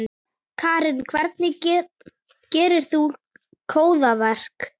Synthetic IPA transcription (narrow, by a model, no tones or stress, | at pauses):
kʰaːɾɪnkʰvɛɾt̪nɪcɛ | cɛːɾɪɾ̥θu | kʰoːwðavɛr̥k